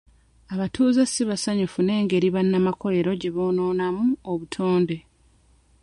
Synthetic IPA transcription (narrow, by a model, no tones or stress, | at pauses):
aβatʰuːzasiβasaɲufune̞ːŋɡe̞ɾiβanːamakʰo̞le̞ɾo̞ɟe̞βo̞ːno̞ːnamuoβutʰoːnde̞